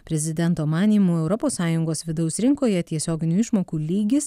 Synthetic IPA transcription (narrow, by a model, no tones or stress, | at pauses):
pʲɾʲɛzʲɪd̪ʲɛnt̪oːmɑːnʲiːmuːɛʊɾɔpoːsːɑːjʊŋɡoːsʋʲɪd̪ɒʊsɾʲɪŋkoːjɛt̪ʲiɛsʲoːɡʲɪnʲuːɪʃmoːkuːlʲiːɡʲɪs